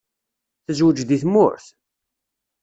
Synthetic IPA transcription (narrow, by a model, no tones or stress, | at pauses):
θəzwəd͡ʒd̪iθmːʊ̰ɾθ